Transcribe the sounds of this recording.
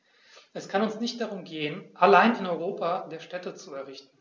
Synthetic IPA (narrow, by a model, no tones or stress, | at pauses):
ʔɛskʰanʊnsnɪçt̚d̥aʁʊmɡeːənʔalaɪnɪnɔʏʁ̞oːpʰadeːɐʃtɛtət͡suɛɐʁ̞ɪçtn̩